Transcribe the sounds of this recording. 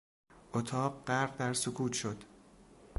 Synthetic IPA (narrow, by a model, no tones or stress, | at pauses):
ʔot̪ʰɒːɢɢæɾbd̪æɾsokʰuːt̪ʃod̪̥